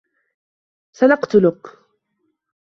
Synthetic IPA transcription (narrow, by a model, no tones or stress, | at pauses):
sanɑqt̪ʊlʊk